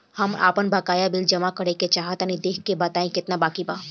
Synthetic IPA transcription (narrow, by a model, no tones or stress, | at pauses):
həma̰ːpənbakaːjabɪld͡ʒəmakəɾeket͡ʃaːɦət̪anid̪eːkʰkːebat̪aːĩkɪt̪nabaːkiba